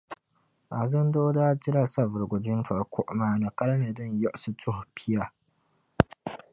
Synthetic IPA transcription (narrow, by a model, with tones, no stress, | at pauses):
ʔa˨zɐ˦ndoː˦daː˦d͡ʒɪ˦ɾa˨sa˦˨vʊ˨ɾɡʷʊ˨d͡ʒɪ˦nfɐ˨ɾkʷʊ˦˨ʔmaː˨na˨kɐ˦ɾneː˨dɔ˦˨ɲjɔ˦ʔsu˦tʰʊ˦hpʰɪ˦ja˨